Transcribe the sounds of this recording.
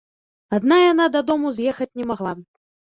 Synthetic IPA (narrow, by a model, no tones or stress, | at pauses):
ad̪najanad̪ɐd̪ɔmuzʲjɛxɐt͡sʲnʲɛmaɣlˠa